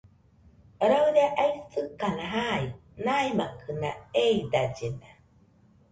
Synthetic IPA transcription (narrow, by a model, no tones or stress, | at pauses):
ɾawɾeaʔaisɯkanaɦainajmakʰɯnaeid̪ad͡ʒena